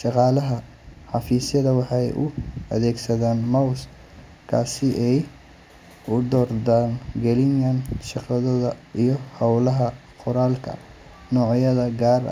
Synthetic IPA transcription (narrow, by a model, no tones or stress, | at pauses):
ʃɑqɑːlɐɦɐ | ħɑfiːsjɐðɐwɑħɑjʔʊ̰ɐ̰ðɛːɡsɐðaːnmɐws | kʰa̰ːsɪʔɛj | ʊd̪ɔːrd̪aːnɡɛlɪŋjɐnʃɑqɑðɐðɐijɞhɐwlɐɦɐ | qʊɾaːlkʰɐ̰ | nɔːʕjɐðɐɡaːr